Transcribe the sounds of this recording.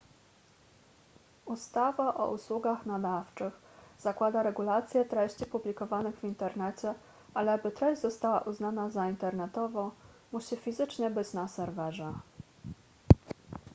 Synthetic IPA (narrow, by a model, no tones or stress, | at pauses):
ust̪avaʔɔ̰ʔuswuɡaxnad̪aft͡ʂɘxz̥akwad̪aɾɛɡulat̪sʲjɛt̪ɾɛɕt͡ɕipublʲikɔvanɘɣvʲint̪ɛɾnɛt͡ɕɛ | ʔalɛabɘt̪ɾɛʑd͡ʑzɔst̪awa̰ʔuznanazaint̪ɛɾnɛt̪ɔvɔ̃w̃ | muɕifʲizɘt͡ʂɲɛbɘt͡ɕnasɛɾvɛʐɛ